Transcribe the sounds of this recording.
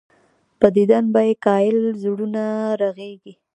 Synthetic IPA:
pəd̪id̪anbajekɑjɪlzuɽunaɾaɣeɡi

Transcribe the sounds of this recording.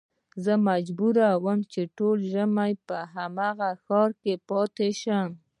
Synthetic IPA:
zəmad͡ʒbuɾawəmt͡ʃeʈolʒəmajpəɦamaɣaxɑɾkepɑt̪eʃam

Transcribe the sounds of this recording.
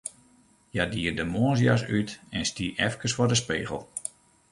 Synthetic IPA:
jadiərdəmoəs̬jas̬ytɛnstiʔɛfkəsfɔrdəspeːɣəlˠ

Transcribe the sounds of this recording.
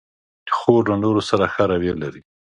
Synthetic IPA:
d̪̥ə̥xoɾlanoɾosaɾaxaɾawjelaɾi

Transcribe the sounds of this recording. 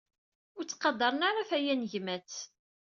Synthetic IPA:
ʊɾt͡sːqɑd̪ˤɑɾˤənaɾˤafæjænʝmæt͡s

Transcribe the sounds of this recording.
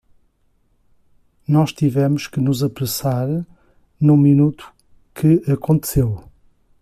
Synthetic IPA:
nɔʃt̪ivɛmʊʃkɨnuzɐpɾɨsaɾ | nũminut̪u̥ | kʰɨɐkõnt̪ɨ̥sew

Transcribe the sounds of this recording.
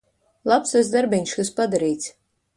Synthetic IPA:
lˠapsazd̪aɾbʲiɲʲʃkɨspad̪aɾiːt̪sʲ

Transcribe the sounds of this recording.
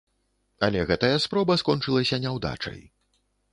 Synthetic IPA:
ɐlʲɛɣɛt̪ɐjɐspɾɔbɐskɔnt͡ʂɨlˠɐsʲɐnʲɛwd̪a̰t͡ʂɐ̰j

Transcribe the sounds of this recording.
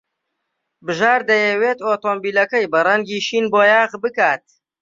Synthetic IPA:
bɨʒaːɾd̪ɐjɛweːt̪oːt̪oːmbiːlɐkɐjbɐrɐŋɡiːʃiːnboːjaːɣbɨkaːt̪̚

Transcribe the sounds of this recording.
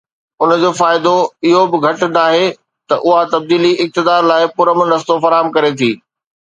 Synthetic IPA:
ʊnd͡ʑoːfaːɪd̪oɪɦobɪɡʱɐʈd̪aːɦe | t̪ɐʔʊɦat̪ɐb̚d̪iːliɪk̚t̪ɪd̪aːɾlaːɪpʊɾəmnɐst̪ofɐɾaːɦəmkɐɾet̪ʰiː

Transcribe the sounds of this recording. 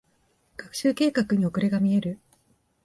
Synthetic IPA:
ɡ̥akɯ̟̥ɕɨːke̞ːkakɯ̟ɲ̟io̞kɯ̟ɾe̞ɡamʲie̞ɾɯ̟

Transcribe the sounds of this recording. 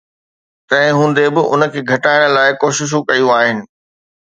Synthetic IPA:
t̪ɐ̃ɦɪ̃ɦũːn̆d̪ebɪʔʊ̰nə̆kʰeːɡʱɐʈaːɪɽ̃əlaːɪkoːʃɪʃ̬ũkɐjũaːɦɪnɪ̆

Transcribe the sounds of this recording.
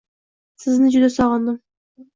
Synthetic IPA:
sɪznɪd͡ʒʊd̪asɒʁɑnd̪ɪm

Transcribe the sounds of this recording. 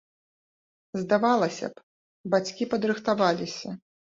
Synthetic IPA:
zd̪avalˠɐsʲɐ̰p | bat͡sʲkʲipɐd̪ɾɨxt̪avalʲisʲɐ

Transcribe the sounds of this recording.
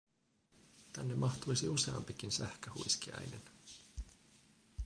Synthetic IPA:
t̪ænːemɑxt̪ujsiuse̞ɑ̰mpik̟insæhkøhṵjskiɑ̰jne̞̰n

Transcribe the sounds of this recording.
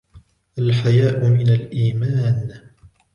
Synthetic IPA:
ʔalħajaːʔʊmɪnalʔiːmaːn

